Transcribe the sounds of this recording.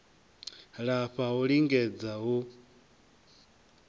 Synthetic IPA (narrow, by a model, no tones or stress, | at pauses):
ɺaɸaɦuɺiŋɡɛd͡zaɦu